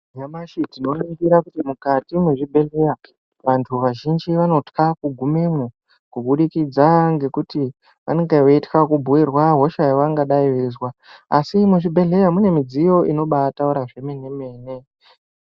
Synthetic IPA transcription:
jamaʃitino̞noɡiɾakutimukatimuʐibʱe̞ɮe̞ja | ʋantʰuʋaʒind͡ʒiʋano̞tkakuɡʱumemo | kuɓuɗikid͡zaŋɡe̞kuti | ʋa̰neŋɡeʋoitkakubʱuirwaɦo̞ʃajaʋaŋɡaɗaiʋezwaːsimuʐibʱe̞ɮe̞jamune̞mid͡zijo̞ʔino̞ɓatauɾaʐe̞mene̞me̞ːne

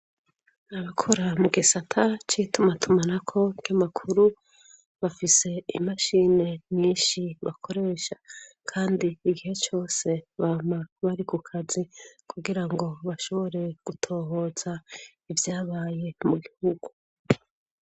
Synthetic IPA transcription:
aβakʰo̞ɾamuɡisatʰat͡ʃitumatʰumanakʰo̞ɡ̥amakʰuɾu | βafise̞ḭmaʃine̞ɲiːnʃiβakʰo̞ɾe̞ːʃa | kʰaːndiːɡihe̞t͡ʃo̞ːse̞βamaβaɾikukʰazikʰuɡiɾaŋɡo̞βaʃo̞βo̞ɾe̞ɡ̥utʰo̞ːɦo̞ːz̥a | ivjaːβaːje̞muɡihuɡu

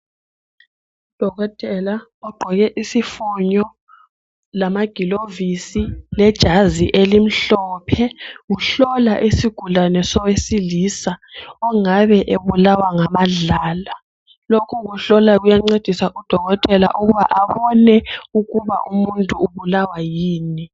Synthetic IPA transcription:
ud̥ʱɔɣɔtʼɛlaɔɡ͡ǃʱɔɣɛʔisifuɲɔ | lamaɡ̥ʱilovisilɛd̥ʒ̥ʱaziʔelim̩ɬɔpʰɛɣuɬɔlaʔisiɡ̥ʱulanɛsɔwesilisaɔŋaβɛʔeβulawaŋamaɮaːla | lokʰuɣuɬɔlaɣujaŋ͡ǀed̥ʱisaʔud̥ʱɔɣɔtʼɛla̰ʔuɣuβaʔaβɔnɛuɣuβa̰ʔumuntʼuːβulawajiːni

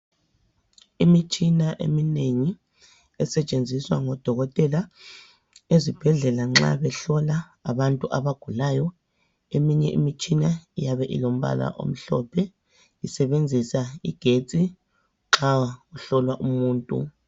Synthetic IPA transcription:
imit͡ʃʼinaʔḛmineŋi | ɛsɛt͡ʃʼend͡zʱiswaŋɔd̥ʱɔɣɔtʼɛla | ezib̥ʱɛɮɛlaŋ͡ǁa̰βɛɬɔlaː | βantʼuʔaβaɡ̥ʱulajɔ | emiɲɛʔḭmit͡ʃʼinaijaβɛʔḭlom̩βa̰la̰ʔo̰m̩ɬɔ̰pʰɛ | isɛβend͡zʱisaiɡ̥ʱet͡sʼi | ŋ͡ǁauɬɔlwaʔumuːntʼṵ

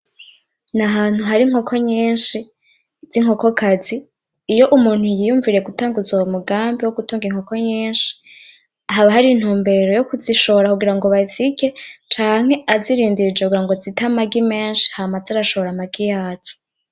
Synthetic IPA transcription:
naɦaːn̥huɦaɾiŋ̥o̞kʰo̞ɲiːnʃi | z̥iŋ̥o̞ko̞kʰaziː | jo̞ʔumuːn̥hujijuːɱviɾijeɡutaːŋɡuzuwomuɡaːmbiwo̞ɡutuːŋɡiŋho̞ko̞ɲiːnʃi̥ | aɦaβaɦaɾin̥huːmbe̞ɾo̞jo̞kuziʃo̞βoɾakuɡiɾaŋɡo̞βaziɡe̞t͡ʃaːŋ̥e̞aziɾiːndiɾid͡ʒekuɡiɾaŋɡo̞zitamaɡime̞ːnʃi̥haːmazaɾaʃoβoɾamaɡijaːzo

